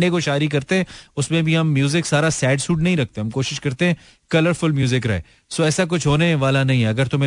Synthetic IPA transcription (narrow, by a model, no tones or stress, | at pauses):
ɖekoʃaːɾik̬ɐɾt̪eɦɛ̃ːʊsmẽbʱiɦɐmːjuːzɪksaːɾasɛːɖsuːʈnɐɦĩɾɐk̚t̪eɦɐ̃mkoːʃɪʃkɐɾt̪eɦɛ̃ː | kɐləɾfʊlmjuːzɪkɾɐɦḛː | soɛːsak̬ʊt͡ʃʰɦoːneʋaːlanɐɦĩɦɛɐɡəɾt̪ʊme